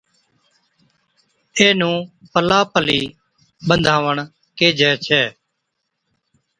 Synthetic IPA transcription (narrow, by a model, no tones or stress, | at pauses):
eːnũːpəlaːpəliː | bənd̪ʱaːʋəɳ | keːd͡ʒɛːt͡ʃʰɛː